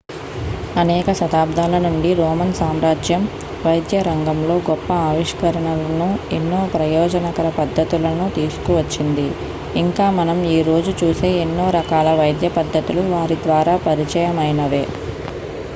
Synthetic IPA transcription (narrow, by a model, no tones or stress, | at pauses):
ɐnɛːkɐsɐt̪aːb̚d̪ʱaːlɐnuɳɖiɾɔːmɐnsaːmɾaːd͡ʒjɐm | ʋɐjd̪jɐɾɐŋɡɐmlo̞ːɡɔpːɐaːʋiʂkɐɾɐɳɐlɐnue̞nːoːpɾɐjɔːd͡ʒɐnɐkɐɾɐpɐd̪ʱːɐt̪ulɐnut̪iːsu̥kuʋɐt͡ʃːind̪i | iŋkaːmɐnɐmiːɾo̞ːd͡ʒut͡ʃuːseːenːoːɾɐkaːlɐʋɐjd̪jɐpɐd̪ʱːɐt̪uluʋaːɾid̪ʋaːɾaːpɐɾit͡ʃɐjɐmɐjnɐʋe̞ː